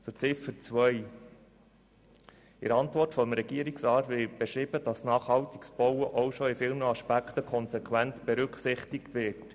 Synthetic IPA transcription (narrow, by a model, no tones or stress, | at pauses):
t͡sʊt͡sɪfəɾt͡sʋœj | ɪ̰ɾɑntʋɔrtfɔmɾɛɡiːɾɪksɾɑːtʋɪb̥ɛʃɾiːb̥əd̥ɑsnɑːχhɑwtɪksb̥ɔwəʔɔʊʃoɪfiːlnəɑʃpækt̪əkʰɔnsɛkʰwæntb̥eɾʏksɪχt̪ɪkt̪ʋɪːt